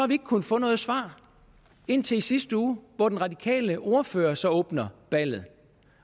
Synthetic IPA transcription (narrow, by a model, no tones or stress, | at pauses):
sɒ̽hɑ̈ʋie̝ɡ̥əkʰun̩fɔ̽ːnɔ̽ːð̩ˠsʋɑ̰̈ː | e̝n̰t͡sʰe̝lisisd̥əuːʋɒd̥enʁɑ̈d̥ikʰɛ̰ːləʔo̝ɐfø̰ːɐsɒ̽ɔ̽ːb̥nɐb̥æl̰ð̞̩ˠ